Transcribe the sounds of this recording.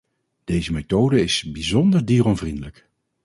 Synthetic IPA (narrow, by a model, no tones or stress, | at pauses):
d̥ejzəmetowdəɪsbizɔndəɹdiːrɔnvrindələk